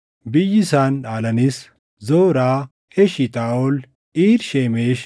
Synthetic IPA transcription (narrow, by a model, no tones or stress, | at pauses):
bɪjːɪsaːnᶑaːlɐnis | zoːɾaː | hɛʃɪt̪ʼaːɔl | iːɾʃeːmeːʃ